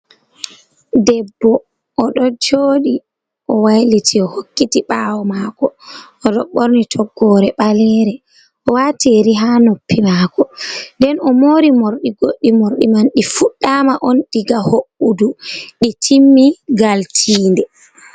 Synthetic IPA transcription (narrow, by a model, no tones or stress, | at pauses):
dɛbːɔ | ʔːɗɔd͡ʒoːɗi | ʔɔwajlitʰiɔhokːitiɓawɔmaːkɔ | ɔdɔɓoɾnitʰɔɡːɔɾɛɓalɛɾɛ | ʔɔwatiɾiɦanopːimakɔndɛnɔmoːɾimoɾɗiɡoɗːimoɾɗimanɗifuɗːamaʔɔnɗiɡahoʔuduɗitʰimːiɡaltʰiːndɛ